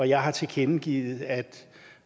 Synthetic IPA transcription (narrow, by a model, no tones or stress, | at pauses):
ɒjɑ̈ɪɦɑ̈t͡sʰe̝kʰenɡ̥ḭːð̩ˠæd̥